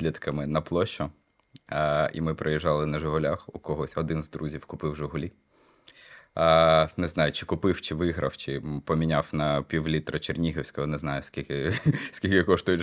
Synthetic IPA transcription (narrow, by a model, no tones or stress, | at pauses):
lʲid̪kɐmɪnɐplˠɔʃʊ | ḭmɪpɾejɛʒːɑlˠɪnɐʒʊɦʊlʲaxʊ̰kɔɦɔsʲɔd̪ɪnzd̪ɾuzʲiwkʊpɪwʒʊɦʊlʲi | nɛznɑjʊt͡ʃɪ̥kʊpɪwt͡ʃɪʋɪɦɾɐ̰wt͡ʃɪpɔmʲinʲawnɐpʲiwlʲit̪ɾɐt͡ʃernʲiɦewsʲkɐɔnɛznɑjʊsʲkʲilʲkɪsʲkʲilʲkɪkɔʃt̪ʊjʊ